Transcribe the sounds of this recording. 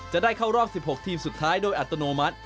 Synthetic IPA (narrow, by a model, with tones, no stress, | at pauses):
t͡ɕa˨˩ʔdaː˥˩jkʰa˥˩wɾɔː˥˩p̚si˨˩p̚ho˨˩k̚t̪ʰiː˧msu˨˩t̪ʰːaː˦˥jdoː˧jʔa˨t̪ːo˧noː˧ma˦˥t̪̚